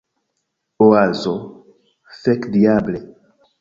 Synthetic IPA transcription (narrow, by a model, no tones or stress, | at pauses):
oazo | fɛkdiable